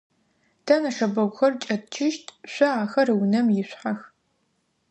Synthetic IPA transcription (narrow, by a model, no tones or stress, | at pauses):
tʰɐnɐʂɐbɐɡʷxɐrt͡ʃʼɐt̚t͡ʃʰɪʃtʰɕʷɔaːxɐrɨwnɐmjɪɕʷħax